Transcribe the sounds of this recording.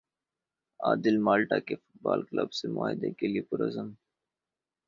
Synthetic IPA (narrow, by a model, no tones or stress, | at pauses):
a̰ːd̪ɪlmaːlʈakefʊ̥ʈ̚baːlkləbsemʊa̰ːɦɪd̪ekeliepʊɾɐzəm